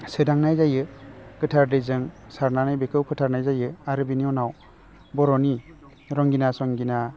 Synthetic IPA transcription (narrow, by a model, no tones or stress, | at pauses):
sɯdaŋnajzajɯɡ̥ɯtʰaɾdɯjzɯŋsaɾnanajbekʰɯwpʰɯtʰaɾnajzajɯaɾɯbiniɔwnaw | bɔɾɔni | ɾɔŋɡinasɔŋɡina